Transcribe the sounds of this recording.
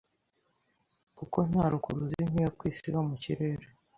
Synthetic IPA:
kuko̞n̥haːɾukuɾuzin̥hijakwiːsiβamucḭɾeɾe

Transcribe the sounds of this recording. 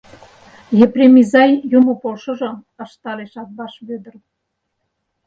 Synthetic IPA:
ɣeprʲemʲizɑjjumupolʃŏʒɤ̆ | ɑʃt̪ɑleʃɑt̪̚bɑʃβød̪ə̆r

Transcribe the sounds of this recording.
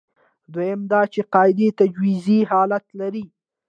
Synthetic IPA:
d̪wajɪmd̪ɑt͡ʃeqɑɪd̪et̪ad͡ʒwiziɦɑlat̪laɾi

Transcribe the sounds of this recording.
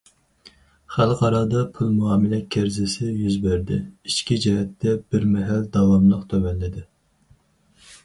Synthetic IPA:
χælˠqʰɑɾɑd̪ɑpʰulˠmuɑːmɪlɛkʲʰːæɾzɪsɪjyzbæɾd̪ɪ̰iʃkʲid͡ʒɛɦɛt̪ːɛb̥ɪɾmɛɦæld̪ɑwɑmlˠəqt̪ʰømɛnːɪd̪ɪ

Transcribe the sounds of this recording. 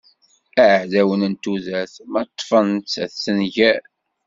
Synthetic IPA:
æʕʕðæwənənt̪uðæθmæt̪ˤːfənt͡sːθːənʝæ

